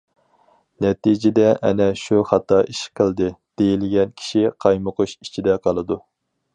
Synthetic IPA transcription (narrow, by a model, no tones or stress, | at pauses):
nɛt̪id͡ʒɪd̪ɛʔɛ̰nɛʃuχɑt̪ɑiʃqʰəlˠd̪ɨd̪̥ejilɪɡʲɛnkʲʰi̥ʃiqʰɑjmʊquʃit͡ʃʰid̪ɛqʰɑlˠɨd̪u